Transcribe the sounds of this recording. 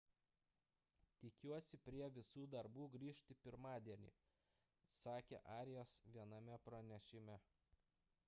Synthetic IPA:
t̪ʲɪkʲuɔsʲɪpʲɾʲiɛʋʲɪsuːd̪ɐɾbuːɡɾʲiːʃʲt̪ʲɪpʲɪɾmɑːd̪ʲiɛnʲḭː | sɑːkʲḛːʔɑːɾʲɪjosʋʲiɛnɐmʲɛpɾɐnʲɛʃʲɪmʲæ

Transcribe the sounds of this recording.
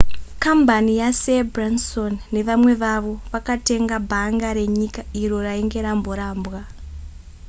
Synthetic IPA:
kambanijasebransonːe̞ʋamwe̞ʋaʋo̞ʋakate̞ŋɡabʱaŋɡaɾe̞ɲikairo̞raeŋɡe̞ɾambo̞ɾaːmbwa

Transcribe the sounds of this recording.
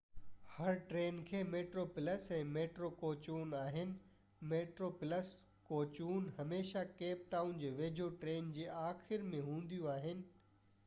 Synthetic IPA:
hɐɾʈɾeːnkʰeːmeːʈɾoːpɪləsɛ̃ːmeːʈɾoːkoːt͡ɕuːnaːɦɪnɪ̆ | meːʈɾoːpɪləs | koːt͡ɕuːnɦɐmeːʃakeːp̚ʈaːʊnd͡ʑeːʋeːd͡ʑʱoʈɾeːnd͡ʑeːʔaːxɪɾmẽɦũːn̆d̪ijũaːɦɪnɪ̆

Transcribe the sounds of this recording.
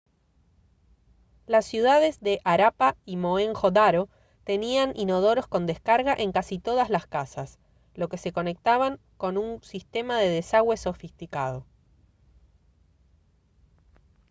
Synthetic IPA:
lasːjuðaðe̞zðe̞ʔaɾapaimo̞eŋxo̞d̪aɾo̞ | t̪e̞nianino̞ð̞o̞ɾo̞skond̪eskaɾɣaʔe̞ŋkasit̪o̞ðazlaskasas | lo̞ke̞se̞ko̞ne̞k̚t̪aβaŋ | ko̞nunsist̪e̞maðe̞ðe̞saɣwe̞so̞fist̪ika̰ð̞o̞

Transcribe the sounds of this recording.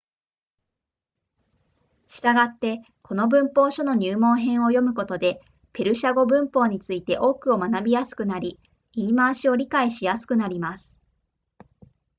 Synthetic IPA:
ɕi̥t̪aɡat̪ːe̞ | kʰo̞no̞bɯ̟̃mpo̞ːɕo̞no̞ɲ̟ɨːmõ̞ɰ̃ɦẽ̞ɰ̃o̞jo̞mɯ̟ko̞t̪o̞d̪e̞ | pe̞ɾɯ̟ɕaɡo̞bɯ̟̃mpo̞ːɲ̟it͡sɨit̪e̞ʔo̞ːkɯ̟o̞manabʲijasɨ̥kɯ̟naɾʲi | iːmaːɕio̞ɾʲikaiɕijasɨ̥kɯ̟naɾʲimasɨ̥

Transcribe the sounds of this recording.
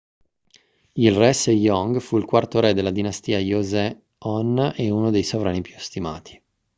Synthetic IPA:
ilrɛsejɔŋɡfuilkwart̪oɾɛd̪elːad̪inast̪iːajozɛ | ɔneunod̪ejsovɾaːnipjust̪ima̰ːt̪ʰi̥

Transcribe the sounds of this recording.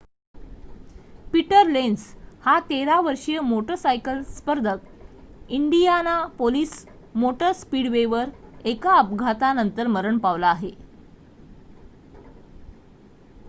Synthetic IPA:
piʈəɾlenshat̪eɾaʋəɾʂijəmoʈəsajkəlspəɾd̪ʱəkiɳɖijanapoliːs | moʈəspiːɽʋeʋəɾekaəpɡʱat̪anənt̪əɾməɾəɳpaʋlaːɦe

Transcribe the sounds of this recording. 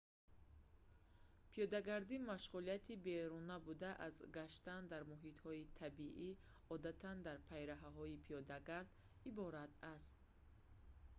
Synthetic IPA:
pʰijɔd̪aɡaɾd̪imaʃʁulijat̪ʰibeɾunabud̪aʔazɡaʃt̪and̪aɾmuɦit̪hɔit̪ʰabiʔi | ɔd̪at̪ʰand̪aɾpʰajɾaɦaɦɔipʰijɔd̪aɡaɾd̪ | ibɔɾat̪ʰast̪̚

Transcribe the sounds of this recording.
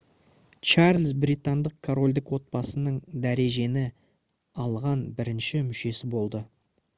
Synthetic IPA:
t͡ʃaɾlʲzbɾit̪and̪əq̚kʰoɾo̞lʲd̪ɪkwo̞t̪̚bɑsənəɴd̪æɾe̞ʒe̞nɪ | ɑlˠʁɑnbɪɾɪnʃɪmʏʃe̞sɪbo̞lˠd̪ə

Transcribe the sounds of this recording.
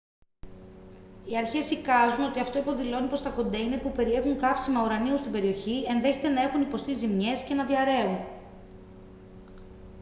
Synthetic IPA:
iɐɾçe̞sikɐzuno̞t̪iɐft̪o̞ipo̞ðilo̞nipɾost̪ɐko̞nd̪ɐinepupe̞ɾie̞xuŋkɐfsimɐuɾɐniust̪imbe̞ɾio̞çie̞nðe̞çe̞t̪e̞nɐe̞xunipo̞st̪izimɲe̞sce̞nɐðiɐɾe̞un

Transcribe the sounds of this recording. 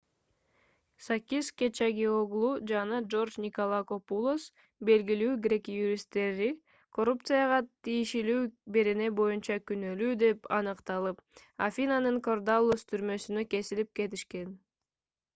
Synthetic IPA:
sakʲiskʲet͡ʃaɡʲeoɡlˠud͡ʒɑnɑd͡ʒo̞rd͡ʒnʲɪkolˠako̞pulˠos | be̞lɡilyːɡɾʲe̞kjuɾʲist̪ːe̞ɾi | kʰo̞rupt̪sɨjɑʁɑt̪ʰijiʃilyːbe̞ɾe̞ne̞bo̞junt͡ʃɑkynø̞lyːd̪e̞pɑnɯqt̪ɑlˠɯpafʲinanɯŋko̞rd̪alˠːost̪ʰyɾmø̞synøke̞silip̚ke̞t̪iʃke̞n

